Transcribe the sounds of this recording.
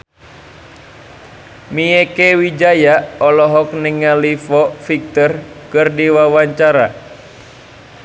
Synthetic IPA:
miekewid͡ʒajaɔlɔɦɔk̚niŋalifɔfik̚t̪ɔr | kɨrdiwawaɲt͡ʃaɾa

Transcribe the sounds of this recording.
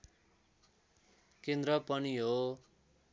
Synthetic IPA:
kend̪rʌpʌniɦo

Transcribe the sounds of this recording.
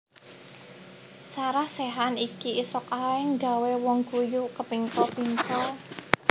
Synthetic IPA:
saɾahseɦanikiʔːsɔkaɪŋɡa̤wewɔŋkujukəpiŋkɔpiŋkɔ

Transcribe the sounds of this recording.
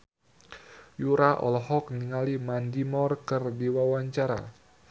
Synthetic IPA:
juɾaʔɔ̰lɔɦɔk̚niŋalimandimɔrkərdiwawaɲt͡ʃaɾa̰

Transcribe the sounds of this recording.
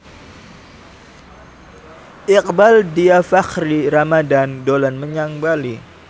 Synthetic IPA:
ʔɪq̚baldiafaxɾiɾamadandolanməɲaŋbali

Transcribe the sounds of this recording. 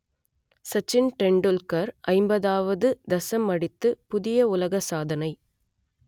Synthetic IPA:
sɐt͡ʃːɪnʈɛɳɖɯlkɐɾʔɐɪmbɐðaːʋɐðɯd̪ɐsɐmɐɽɪt̪ːɯpʊðɪjɐʊlɐɣɐsaːðɐnɐɪ

